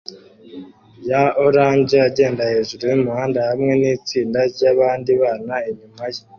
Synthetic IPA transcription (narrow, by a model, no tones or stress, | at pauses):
jaoɾaːɲɟeaɟe̞ːndahe̞ːʒuɾujumuhaːndahamŋe̞niːt͡siːndaɟaβaːndiβaːnaeɲumaje